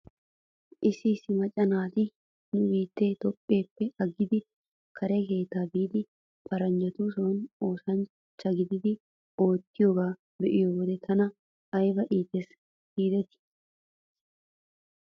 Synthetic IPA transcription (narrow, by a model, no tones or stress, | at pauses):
ʔɪsɪːsːɪmɐt͡ʃʼːɐnaːt̪ɪ | nʊbiːt̪ːe̞ːt̪ɔpʼːe̞ːpːɪɐɡːɪd̪ɪ | kʰɐɾɛke̞ːt̪aːbiːd̪ɪ | pʰɐɾɐnd͡ʒɐt̪usonoːsɐn | t͡ʃːɐɡɪd̪ɪd̪ɪ | o̞ːt̪ːɪjo̞ːɡaː | bɛʔɪjoːwɔd̪ɛt̪ʰɐnɐ | ɐjbɐʔiːt̪ːɛs | ɡiːd̪ɛt̪ɪ̥